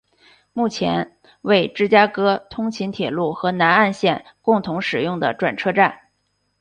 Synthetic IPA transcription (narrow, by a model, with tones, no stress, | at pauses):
mu˥˩t͡ɕʰjɛ̰˧˥n | we˥˩ɪʈ͡ʂɻ̩˥˩t͡ɕja˥kɤ˥t̪ʰʊ˥ŋt͡ɕʰi˧˥nt̪ʰjɛ˨˩lu˥˩xɤ˧˥na˧˥na˥˧nɕjɛ˥˧n | kʊ˥˩ŋt̪ʰʊ˧˥ŋʂɻ̩˨˩jʊ˥˩ŋd̪ə̰˩ʈ͡ʂwa̰˨˩nʈ͡ʂʰɤ˥˧ʈ͡ʂa˥˩n